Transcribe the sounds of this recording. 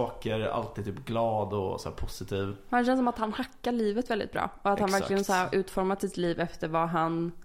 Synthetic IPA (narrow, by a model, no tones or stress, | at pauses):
ɑːkəɾa̰lt̪ʰiːd̪t̪ʰyːpɡlɑːd̪ɔ̰sæ̰ːpʰʊsɪt̪ʰiːvhanɕɛnsɔmat̪hanhakːaɾɭiːvət̪vɛld̪ɪ̰t̪bɾɑ̰ːɔat̪hanvæɾklɪɡənsæːɾʔʉ̟ːt̪fɔɾmat̪sɪt̪liːvɛft̪əɾvaɦan